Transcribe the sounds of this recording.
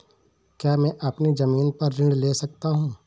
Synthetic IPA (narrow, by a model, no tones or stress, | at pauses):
kjaːmɛ̃ːʔɐpnid͡ʒɐmiːnpɐɾːɪ̃ɽleːsɐk̚t̪aɦũː